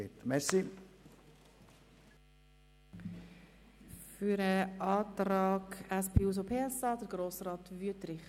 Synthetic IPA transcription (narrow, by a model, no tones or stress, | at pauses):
et̪mɛsi | fyɾəʔɑːtɾɑːɡæspʰeːuːs̬opʰeːɛsɑːdəɾɡ̥ɾoːsrɑːtvyətɾɪχ